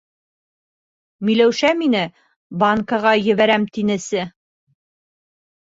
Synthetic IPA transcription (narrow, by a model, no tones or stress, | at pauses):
milæwʃæminɘ | bɑŋkɑʁɑjɘ̆βæɾæmt̪inɘ̆sɘ